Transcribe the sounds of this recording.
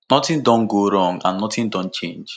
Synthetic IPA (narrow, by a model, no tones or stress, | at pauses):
nɔtɪn̩dɔ̃n̩ɡoɾɔ̃ŋã̰n̩nɔtɪn̩dɔ̃n̩t͡ʃẽnd͡ʒ